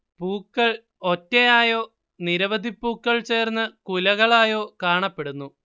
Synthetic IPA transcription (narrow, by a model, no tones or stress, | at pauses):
puːkːɐɭ | otːejaːjo̞ː | niɾɐʋɐd̪ʱipːuːkːɐɭt͡ɕe̞ːrnːɐkulɐɣɐɭaːjo̞ːkaːɳɐpːe̞ɽunːu